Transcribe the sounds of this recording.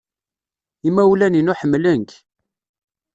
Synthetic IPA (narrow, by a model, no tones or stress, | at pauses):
imæwlæninuħəmːlənk